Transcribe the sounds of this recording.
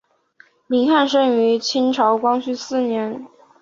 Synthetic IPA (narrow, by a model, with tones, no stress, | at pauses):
mi˧˥ŋxa˥˧nʂɤ˥˩ŋy˧˥t͡ɕʰi˥nʈ͡ʂʰɑ˧˥ʊkwɑ˥ŋt͡ɕʰy˥˧sɹ̩˥˩njɛ˧˥n